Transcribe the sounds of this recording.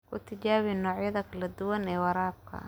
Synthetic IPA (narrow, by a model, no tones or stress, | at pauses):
kʰʊt̪ʰɐt͡ʃaːβɪnɔːʕjɐðɐkʰɐlɐd̪ʊwɐnɛːwɑɾaːb̚kʰɐ̰